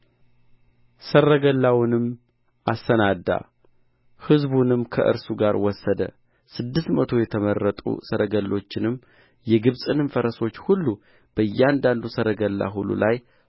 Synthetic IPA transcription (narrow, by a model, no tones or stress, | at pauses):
sərːəɡəlːawɨnɨm | asːənad̪ːa̰ | hɨzbunɨmkʰə̰ʔɨ̰ɾsuɡaɾwɔsːəd̪ə̰ | sɨd̪ːɨst̪mət̪ʰo̞jɛt̪ʰəmərːət̪ʼṵsəɾəɡəlːo̞t͡ʃːɪnɨmː | jɛɡɨβsʼɨnɨmfəɾəso̞t͡ʃːhulːu | b̥əɨjːɛand̪and̪usəɾəɡəlːa̰ɦulːṵlʔaj